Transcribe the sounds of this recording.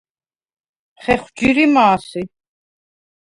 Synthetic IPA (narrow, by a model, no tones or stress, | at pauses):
χɛχwd͡ʒiɾimaːsi